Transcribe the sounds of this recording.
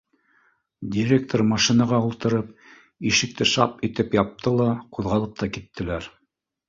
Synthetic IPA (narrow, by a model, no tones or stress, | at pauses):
dʲiɾʲe̞k̚t̪oɾrmɑʃinɑʁɑulˠt̪ɤ̆ɾɤp̚ | iʃɘ̆k̚t̪ɘʃɑ̰pit̪ɘpjɑp̚t̪ʰɤlˠɑquðʁɑlˠɤp̚t̪ɑkit̪ːɘ̆læɾ